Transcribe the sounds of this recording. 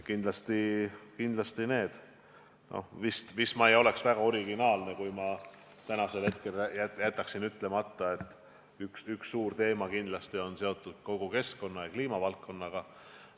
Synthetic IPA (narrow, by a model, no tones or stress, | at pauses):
kind̪lɑst̪ikind̪lɑst̪ine̞ːd̪̥ | nʔo̰vist̪vismɑejo̞le̞ksvæɡ̥ɑo̞ɾiɡinɑːlne̞kujmɑ | t̪ænɑse̞lhe̞t̪ke̞læjæjæt̪ːˑɑksinyt̪ːˑlemɑt̪ːˑɑe̞t̪ˑː | yksyksːuːrt̪e̞ːmɑkind̪lɑst̪io̞nse̞o̞t̪ˑːud̪̥̚ko̞ɡ̥uke̞sko̞nːɑjɑkliːmɑvɑlkːo̞nːɑɡ̥ɑ